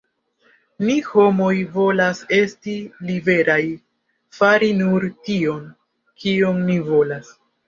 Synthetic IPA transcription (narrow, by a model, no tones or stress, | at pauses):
niho̞mo̞jvo̞lase̞stilibe̞ɾaj | faɾinuɾtio̞n | kʰioŋnivo̞las